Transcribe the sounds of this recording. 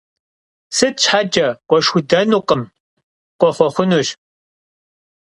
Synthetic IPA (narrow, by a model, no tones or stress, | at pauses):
sɨt̚t͡ʃħad͡ʒɐqʷɔʃxʊdɐnuːqʼəm | qʷɔχʷɔχʷʊnuːɕ